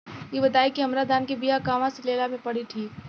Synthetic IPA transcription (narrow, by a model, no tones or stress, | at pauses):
jebɐd̪aːikiɦɐmɾad̪aːnkebijakaːʋãseleːlamẽpɐɽiʈʰiːk